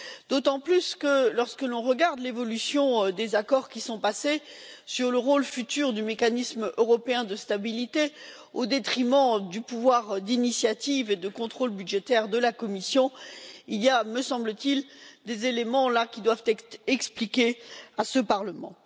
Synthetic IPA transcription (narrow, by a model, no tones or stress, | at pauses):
d̪̥ot̪ɑ̃plyskəlɔʁskəlɔ̃ʁəɡaʁd̪levɔlysjɔ̃d̪ezakɔʁkʲisɔ̃pasesyʁləʁolfyt̪yʁd̪ymekanismøʁɔpeɛ̃d̪əst̪abilit̪e | od̪et̪χimɑ̃d̪ypuvwaʁd̪inisjat̪ived̪əkɔ̃t̪χolbyd̪ʒet̪ɛʁd̪əlakɔmisjɔ̃ilijaməsɑ̃blət̪ild̪ezelemɑ̃lakʲid̪wavt̪ɛɛksplikʲeasəpaʁləmɑ̰̃